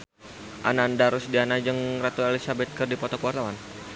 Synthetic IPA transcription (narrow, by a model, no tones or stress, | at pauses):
ʔa̰nandaɾusdianad͡ʒɨŋrat̪uelisabɛt̪̚kərdipɔt̪ɔkəwart̪awan